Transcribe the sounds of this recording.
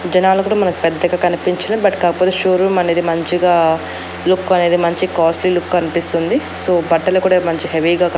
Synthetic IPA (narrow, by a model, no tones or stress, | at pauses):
d͡ʒɐnaːlɐkuːɽaːmɐnɐku̥pɛd̪ːɐɡaːkɐnipiɲt͡ʃɐnibɐʈi̥kaːkɐpot̪eʃoːɾumɐne̞ːd̪imɐɲt͡ʃiɡaː | lukːɐne̞ːd̪imɐɲt͡ʃikaːslilukːkɐnipist̪und̪i | so̞ːbɐʈːɐlukuːɽamɐɲt͡ʃiɦeʋiɡaːkɐ